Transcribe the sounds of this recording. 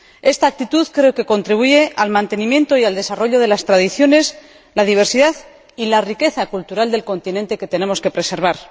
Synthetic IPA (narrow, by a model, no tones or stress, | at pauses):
e̞st̪aːk̚t̪it̪uðkɾe̞oke̞ko̞nt̪ɾiβ̞uʝe̞ʔalmãnt̪e̞nĩmje̞nt̪o̞iald̪e̞saro̞ʎo̞ð̞e̞last̪ɾaðiθjo̞ne̞s | lað̞iβ̞e̞ɾsiðað | ilarike̞θakult̪uɾald̪e̞lko̞nt̪inẽ̞nt̪eke̞t̪e̞ne̞mo̞ske̞pɾe̞se̞ɾβ̞aɾ